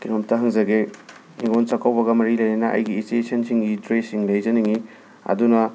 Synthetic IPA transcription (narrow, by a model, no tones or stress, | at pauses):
kiɾomtɐɦɐŋzɐɡe | niɡonsɐkawbɐɡɐmɐɾilɐjnɐnɐʔɐ̰jɡiːstesɐnsiŋɡidɾesiŋlɐjzɐniŋi | ɐ̰dunɐ